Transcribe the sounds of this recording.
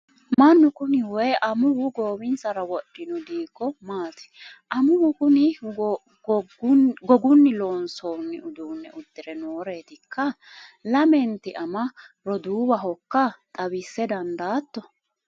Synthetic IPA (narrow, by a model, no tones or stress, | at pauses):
mɐnːʊkʊnɪwɛʔɐmʊwʊɡoːbɪnt͡sɐɾɐwɔɗːɪnʊd̪iːkːɔmaːt̪ɪ̥ʔɐmʊwʊkʊnɪ | ɡɔɡʊnːɪloːnsoːnːɪʊd̪uːnːɛ̰ʔʊd̪ːɪɾɛnoːɾe̞ːt̪ɪkʰːɐ | lɐmɛnt̪ɪʔɐmɐ | ɾɔd̪uːbɐɦɔkːɐt̪ʼɐβɪsːɛd̪ɐnd̪aːt̪ːɔ